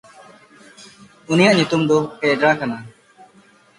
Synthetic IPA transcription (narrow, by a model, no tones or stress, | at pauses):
unijaʔɲut̪umd̪ɔkɛɖɾakana